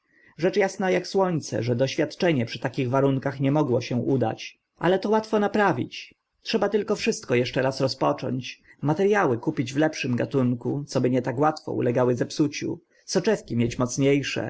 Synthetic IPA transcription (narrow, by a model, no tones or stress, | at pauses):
ʐɛt͡ʂjasnajakswɔɲt̪sɛ̰ʐɛd̪ɔɕfʲjat̪t͡ʂɛɲɛpʂɘ̥t̪akʲiɣvaɾuŋkaxɲɛmɔɡwɔɕɛʔud̪a̰t͡ɕ | ʔa̰lɛt̪ɔwat̪fɔnapɾavʲḭt͡ɕ | tʂɛbat̪ɘlkɔfʂɘst̪̚kɔjɛʂt͡ʂɛɾasɾɔspɔt͡ʂɔ̰ɲt͡ɕmat̪ɛɾjawɘkupʲid͡ʑvlɛpʂɘmɡat̪uŋkut̪sɔbɘɲɛt̪akwat̪fɔ̰ṵlɛɡawɘzɛpsut͡ɕṵ | sɔt͡ʂɛfkʲimʲjet͡ɕmɔt̪sɲejʂɛ̰